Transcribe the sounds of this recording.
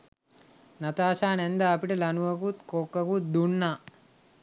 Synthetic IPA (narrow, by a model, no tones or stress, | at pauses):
nɐt̪aːʃaːnend̪aːpiʈɐlɐnuʋɐkut̪kokːɐkut̪̚d̪unːa